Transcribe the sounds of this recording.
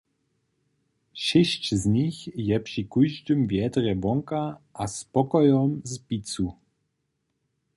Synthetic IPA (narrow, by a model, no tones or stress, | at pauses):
ʃɪɕt͡ɕzɲixjɛpʂikujʒdɨmvjɛd̪rɛbɔŋkaʔaspɔkɔjɔmzpit͡su